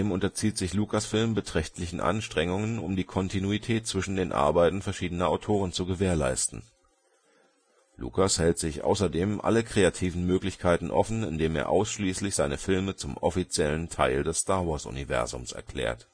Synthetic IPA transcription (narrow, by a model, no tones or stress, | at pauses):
eːmʊntɐt͡siːtz̥ɪçlukʰasfɪlmbətʁ̥ɛçtʰlɪçn̩ʔa̰nʃtʁ̥ɛŋʊŋənʊmdiːkʰɔntʰinuitʰɛːt̚t͡sv̥ɪʃn̩deːnʔa̰ɐbaɪtn̩fɛɐʃiːdənɐʔaʊtʰoːʁ̞ənt͡suɡəveːɐla̰ɪstn̩ | lṵkashɛltz̥ɪçʔa̰ʊsɐdeːmʔa̰ləkʁ̥eːatʰiːvn̩møːklɪçkʰaɪtn̩ʔɔfn̩ɪ̰ndeːmḛːɐʔa̰ʊsʃliːslɪçz̥aɪnəfɪlmət͡sʊmʔɔfit͡sjɛləntʰaɪldɛstaːɐvɔɐsʊ̰nivɛ̰ɐzʊ̰msɛ̰ɐkʰl̥ɛ̰ːɐt